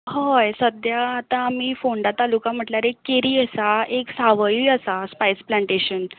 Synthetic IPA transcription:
hɔjsəd̪jaːt̪ãːmiːfoɳɖat̪alukam̤əʈlaɾekːeɾiːəsaeksaʋəjuəsaspajsplãɳʈeɕən

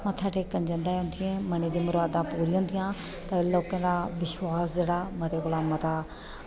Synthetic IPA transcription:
mə̃t̪ʰaːʈeːkːənd͡ʒə̃nd̪aːɦʊ̃nd̪ɪjẽːməneːd̪iːmʊɾaːd̪ãːpuːɾiːɦʊ̃ːnd̪ɪjãː | t̪əloːkãːd̪aːʋɪʃwaːsd͡ʒeːɽaːmət̪eːkolaːmət̪aː

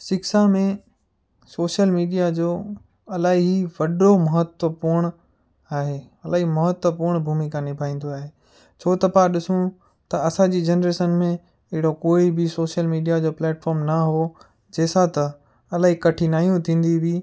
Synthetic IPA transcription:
sɪksamẽ | soːʃəlmiːɖijad͡ʑoː | ɐlaːɦiiʋɐɖomɐɦət̪wəpʊɾɽ̃ | aːɦeːɐlaːɦimɐɦət̪wəpʊɾɳ̃bʱuːmikãnɪbʱaːĩːn̆d̪oaːɦe | t͡ɕʰoːt̪ɐpãɗɪsũ | t̪ɐɐsãd͡ʑiːd͡ʑɐnɾeːʃənmẽ | ɪɦɪɽokoːibɪsoːʃəlmiːɖijad͡ʑoːplɛːʈfɔːɾmnɐɦo | d͡ʑeːsat̪ɐ | ɐlaːɦikɐʈʰinaːɦijũt̪ʰĩːn̆d̪ibiː

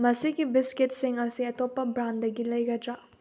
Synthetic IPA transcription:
mɐsiɡibiskit̚siŋɐsiɐtopːɐbɾandɐɡilɐjɡɐdɾa

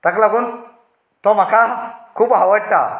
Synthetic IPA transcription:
t̪aklaɡun | t̪om̤akakʰuːpɦawəʈ̪ːa̰

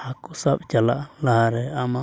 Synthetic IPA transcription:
hakusabt͡ʃala̰ʔlahaɾeama

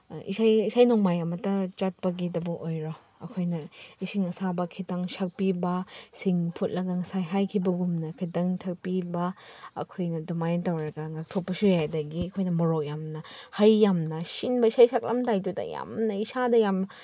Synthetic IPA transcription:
ḭsajisajnɔŋmajɐmɐtɐt͡ʃat̚pɐɡidɐbɐʔojɾo | ɐkʰojnɐisiŋɐsabɐkʰitɐŋsak̚pibɐsiŋpʰut̚lɐɡɐŋɐsajɦajkʰibɐɡumnɐkʰidɐŋtʰak̚pibɐɐ̰kʰojnɐdumajntɐwɾɐɡɐŋak̚tʰopːɐsujajdɐɡiɐkʰojnɐmɔɾok̚jamnɐhajːamnɐsinbɐisajsak̚lɐ̰mtajdudɐ̰ja̰mnɐisadɐjam

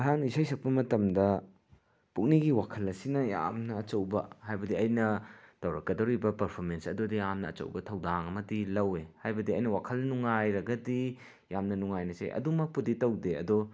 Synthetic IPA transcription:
ɦaŋisajsʰɐk̚pɐmɐtɐmdɐ | puk̚niɡiwakʰɐlɐsinɐja̰mnɐːt͡ʃɐwbɐhajbɐdiɐjnɐtɐwɾɐkːɐdɐwɾibɐpɐɾpʰoɾmensɐdodijamnɐ̰ːt͡ʃɐ̰wbɐtʰɐwdaŋɐmɐdilɐwehajbɐdiɐjnɐwakʰɐlnuŋajɾɐɡɐdi | jamnɐnuŋajnɐsḛʔɐ̰dumɐk̚puditɐwdeɐ̰do

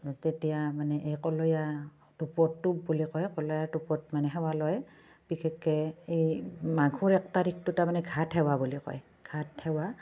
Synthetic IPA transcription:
tetijamanɛʔejkɔlɔja | tupɔtːubulikɔjkɔlɔjaɹdupɔtmanɛɦɛwalɔj | b̥ikʰɛkːɛejmaɡʱuɹɛk̚taɾik̚tutamanɛɡʱathɛwabulikɔ̰j | ɡ̥ʱathɛwa

